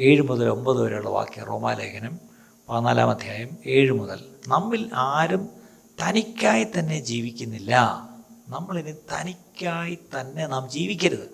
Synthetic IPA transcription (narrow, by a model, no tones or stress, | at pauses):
e̞ːɻumuðɐlo̞mbɐðɨoɾeuɭːɐʋa̰ːkːijɐ̰ro̞̰ːma̰ːleːkʰɐnɐm | pɐnaːla̰ːmɐd̪ʱjaːjɐme̞ːɻumuðɐ̰lnɐmːilaːɾum | t̪ɐnikʲːaːjit̪ɐnːe̞d͡ʑiːʋikʲːunːilːɐnɐmːɐɭinɨt̪ɐnikʲːaːjit̪ɐnːe̞naːmd͡ʑiːʋikʲːɐɾɐðɨ